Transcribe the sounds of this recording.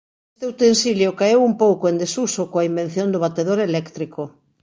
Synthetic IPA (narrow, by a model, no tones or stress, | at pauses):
est̪euwt̪ẽnsiljokaewumpowkoend̪esusokoaimbenθjond̪ʊβ̞at̪eðoɾelɛkt̪ɾiko